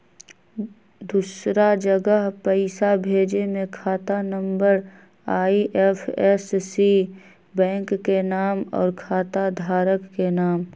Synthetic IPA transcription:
d̪uːsɾad͡ʒəɡəɦpəɪsabʱeːd͡ʒemẽkʰaːt̪anə̃mbəɾ | aːiʔefʰɛssi | bɛ̃ːŋkːenaːmɔ̰ːɾkʰaːt̪ad̪ʱaːɾəkːenaːm

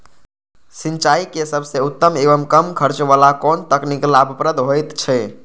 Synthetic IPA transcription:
sint͡ʃaikesəbʱseut̪ːəmeʋəmkəmkʰəɾt͡ʃʋalakɔnt̪əkniklabʱəpɾəd̪ʱɦojt̪t͡ʃʰɛ

